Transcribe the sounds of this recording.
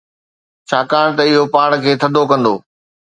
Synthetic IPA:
t͡ɕʰaːkaːɽ̃t̪ɐɪɦopaːɽkʰeːt̪ʰɐd̪ʱokɐ̃nd̪oː

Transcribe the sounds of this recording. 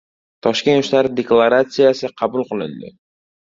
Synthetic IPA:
t̪ʰɒʃkʲe̞nt̪ʊʃlaɾɪd̪e̞klˠaɾat̪sɨjasɪqʰɑbʊlˠqɨlˠɪ̰nd̪ɪ̰

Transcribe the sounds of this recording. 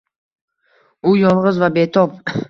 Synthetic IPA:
ʊjɒlˠʁɨzvabe̞t̪ʰɒp̚

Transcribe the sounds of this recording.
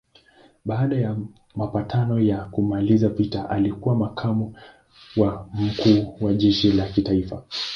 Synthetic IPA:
ɓaːɗaja | mapatʰanɔjakumalizapitaʔalikuwamakʰamu | wam̩kʰuːwaʄɛʃilakitaifa

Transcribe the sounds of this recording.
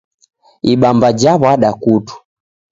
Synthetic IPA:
iɓambad͡ʒaβaɗakutu̥

